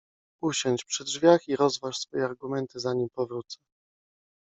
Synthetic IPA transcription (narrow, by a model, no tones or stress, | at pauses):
uɕɔɲt͡ɕpʂɘd̪ʐvʲjaxiɾɔzvaʂsfɔjɛaɾɡumɛnt̪ɘzaɲimpɔvɾut̪sɛ